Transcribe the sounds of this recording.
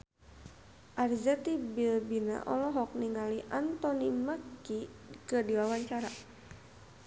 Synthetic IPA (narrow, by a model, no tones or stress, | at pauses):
ʔarzɛt̪ibilbina̰ʔɔlɔɦɔk̚niŋaliʔant̪ɔnimakikɨdiwawaɲt͡ʃaɾa